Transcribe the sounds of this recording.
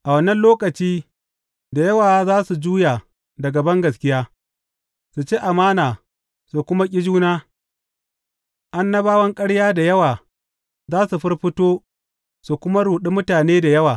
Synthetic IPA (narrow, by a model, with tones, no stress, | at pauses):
ʔa˨wɐ˦nɐ˦nloː˦kɐ˨t͡ʃiː˦ | da˨jɐ˦waː˨˦zaː˦su˨d͡ʒuː˦jaː˨ | dɐ˨ɡɐ˨bɐ˦ŋɡɐ˨skʲɪ˦jaː˦ | su˨t͡ʃe˦ʔa˨maː˦naː˨ | su˨kʷʊ˦ma˦kʲʼɪ˦d͡ʒuː˦naː˦ | ʔa˦nːɐ˦baː˦wɐ˦ŋkʼɐ˦ɽjaː˦da˨jɐ˦waː˨ | zaː˦su˨ɸɪ˦rɸɪ˦toː˦ | su˨kʷʊ˦ma˦ɽuː˨ɗi˦mʊ˦taː˨neː˦da˨jɐ˦waː˨